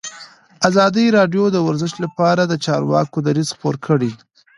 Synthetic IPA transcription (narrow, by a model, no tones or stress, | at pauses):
azɑd̪əɾɑɖjod̪əwaɾzɪʃlapɑɾad̪ət͡ʃɑɾwɑ̰kod̪aɾizxpoɾkʰəɽi